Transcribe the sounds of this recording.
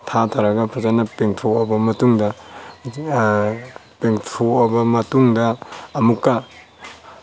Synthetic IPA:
tʰatʰaɾɐɡɐpʰɐzanɐpeŋtʰoɔbɐmɐtuŋdɐ | peŋtʰoɔbɐmɐtuŋdɐːmukːa

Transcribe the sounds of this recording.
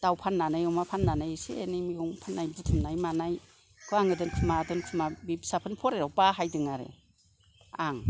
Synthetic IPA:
d̥awpʰanːanajɔmapʰanːanajseːnimiɡɔŋpʰanːajdɯtʰɯmnajmanaj | kʰɯaŋɯdɯnkʰɯmadɯnkʰɯmabibsapʰɯnpʰɔɾeɾawpaɦajdɯŋaɾḛ | aŋ

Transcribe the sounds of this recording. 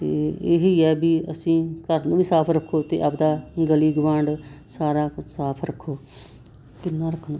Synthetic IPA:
t̪ḛːeɦiːɛːbiə̰sĩːkəɾnũːbiːsaːpʰɾəkʰːoːt̪ḛːʔəpd̪aːɡəliːɡʊʋãːɳɖsaːɾaːksaːpʰɾəkʰːoː | kɪnːaːɾəkʰːɳõː

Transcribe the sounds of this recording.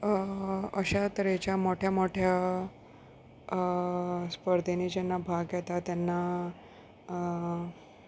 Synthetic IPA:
əɕat̪əɾet͡ɕjamoʈʰjamoʈʰja | spəɾd̪ʱenid͡ʑɛnːabʱaɡjɛt̪at̪jɛnːa

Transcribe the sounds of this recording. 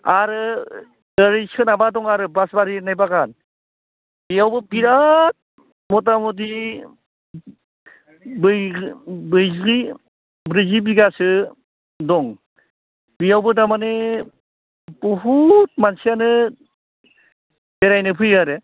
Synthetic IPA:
aɾɯ | əɾɯsɯnabadɔŋaɾɯbasbaɾinajbakan | bijawbɯpiɾat̚ | mɔt̬amɔt̬i | bɯ | bɯjzɡi | bɾizibiɡasɯ | dɔŋ | bijawbɯdamane | pɔɦut̚mansijanɯ | beɾajnɯpʰɯjaɾɯ

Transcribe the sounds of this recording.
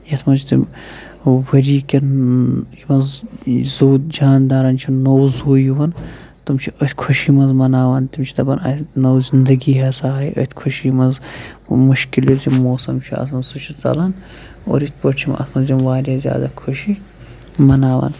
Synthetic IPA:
jɐt̪ʰmɐt͡ʃʰt̪im | wɐɾiːkɐnjimɐnzzoːt̪d͡ʒaːnd̪aːɾɐnt͡ʃʰinɐwzuːjiʋɐn | t̪umt͡ʃʰiət̪ʰʲkʰuʃimɐnzmɐnaːʋɐnt̪imt͡ʃʰi̥d̪ɐbɐnɐ̰t̪ʲnɐwzind̪ɐɡiɦɐsaːɦɐjə̰t̪ʰʲkʰuʃiimɐnzmuʃkiljizimoːsɐmt͡ʃʰiɐ̰sɐnsut͡ʃʰit͡sɐ̰lɐn | o̰ːɾit̪ʲpɐʈt͡ʃʰimɐ̰t̪ʰmɐzimʋaːɾjaːzʲja̰ːd̪akʰuʃi | mɐnaːʋa̰ːn

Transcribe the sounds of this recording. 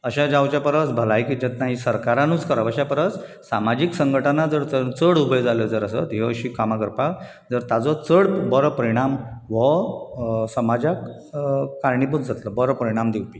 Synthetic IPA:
əɕad͡ʑawt͡ɕjapəɾət͡sbʱəlajkid͡ʑɛ̃t̪naɦisəɾkaɾãnũt͡skəɾaʋəɕapəɾət͡s | samad͡ʑiksə̃ŋɡəʈʰanad͡zəɾt͡st͡səɽubəjd͡zaləd͡zəɾəsə̰t̪ɦeəɕikamakəɾpak | d͡zəɾt̪ad͡zɔt͡səɽbəɾpəɾiɽ̃amʋə | səmad͡ʑak | kaɾɳip̬ut͡sd͡zʱat̪ləbəɾpəɾiɽ̃amd̪iwpi

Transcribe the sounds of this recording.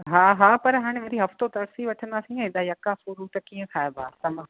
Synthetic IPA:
ɦaːɦaːpɐɾɦaːɽ̃ẽʋɐɾiɦɐft̪ot̪ɐɾsiʋɐʈʰə̃nd̪aːsĩɛ̃ɪd̪ajɐkafuɾuːt̪ɐkiːə̃kʰaːebaːt̪ɐmə̃

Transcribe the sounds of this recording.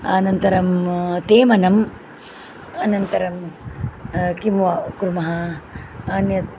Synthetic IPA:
a̰ːnɐnt̪ɐɾɐmt̪eːmɐnɐm | ɐnɐnt̪ɐɾɐm | kimʋakuɾmɐɦɐ | aːnjɐs

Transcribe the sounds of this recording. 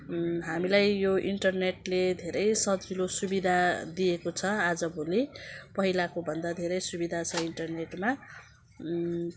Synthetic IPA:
ɦamilajjoiɳʈʌrneʈled̪ʱeɾʌjsʌd͡zilosubid̪ʱad̪ijekot͡sʰʌad͡zʌbʱolipʌɦilakobʱʌnd̪ad̪ʱeɾʌjsubid̪ʱat͡sʰʌiɳʈʌrneʈma

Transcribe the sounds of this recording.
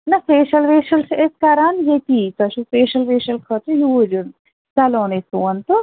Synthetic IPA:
nɐseːʃɐlʋeːʃɐlseskɐɾaːnjet̪it̪ɐʃuspeːʃɐlʋeːʃɐlkʰɐt̪ujuːd͡ʒun | t͡sɐloːnesuːɐnt̪u

